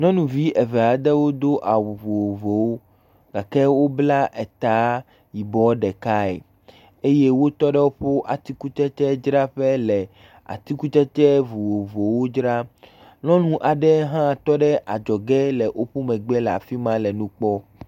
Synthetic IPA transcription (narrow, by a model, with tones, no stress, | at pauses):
nɔ̃˦nũ˨vi˦ʔɛ˨vɛ˨a˨d̪ɛ˦wo˦d̪o˦ʔa˨wu˨vu˨wo˨vo˨wo˦ | ɡa˨kɛ˦wo˦bla˦ʔɛ˨t̪a˨˦ | ji˨bɔ˦ɖɛ˨ka˦ɛ̰˨ | e˦je˦wo˦t̪ɔ˦ɖɛ˦wo˦ɸo˦ʔa˨t̪i˦ku˦t͡ʃɛ˦t͡ʃɛ˦d͡ʒɾa˦ɸɛ˦lɛ˨ | a̰˨t̪i˦ku˦t͡ʃɛ˦t͡ʃɛ˦vu˨wo˨vo˨wo˦d͡ʒɾa˦ | lɔ̃˦nũ˦ʔa˨ɖɛ˦ɦã˦˨t̪ɔ˦ɖɛ˦ʔa˨d͡ʒɔ˨ɡɛ˦lɛ˨ʔo˦ɸu˦mɛ̃˨ɡ͡bɛ˦la̰˨fi˦mã˦lɛ˨nũ˦k͡pɔ˦